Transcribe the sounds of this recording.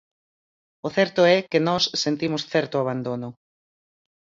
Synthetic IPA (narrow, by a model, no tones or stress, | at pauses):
ʊθɛɾt̪ʊɛkɪnɔsːent̪imʊsθɛɾt̪ʊaβ̞and̪onʊ